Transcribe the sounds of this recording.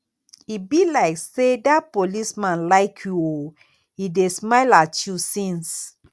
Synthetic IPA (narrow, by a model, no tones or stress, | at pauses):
ibilaɪksedapolismãnlaɪkʰjuo | idesmaɪlatʰjusĩns